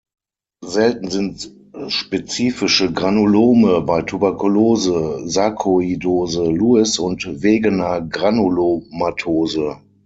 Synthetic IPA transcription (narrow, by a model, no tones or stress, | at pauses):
zɛltn̩zɪnt | ʃpet͡siːfɪʃəɡʁanoloːməbaɪtʰubɛɐkuloːzəzakʰoidoːzəluːɪsʊntveːɡənɐɡʁanolomatʰoːzə